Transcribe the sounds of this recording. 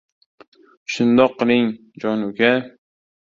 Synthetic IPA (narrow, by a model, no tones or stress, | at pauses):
ʃʊnd̪ɒqːɨlˠɪŋ | d͡ʒɒnʊɡʲa